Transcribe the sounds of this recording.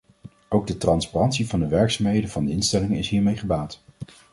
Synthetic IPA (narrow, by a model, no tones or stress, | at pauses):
owɡ̚dətrɑnsparɑntsivɑndəʋɛɹksaːmɦejdənvɑndəɪnstɛlɪŋəɪsɦiːɹmejχəbaːt